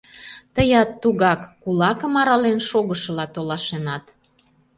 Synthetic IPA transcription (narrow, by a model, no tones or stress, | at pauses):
t̪əjɑt̪ːuɣɑkːulɑkəmɑɾɑlenʃoɣəʃə̆lɑt̪olɑʃenɑt̪